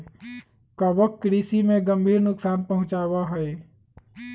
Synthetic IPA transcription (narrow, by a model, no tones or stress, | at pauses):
kaʋək̚t̪̚kɾiːsimẽɡə̃mbʱiːɾnʊksaːnpɐɦʊ̃t͡ʃaːwaɦɛe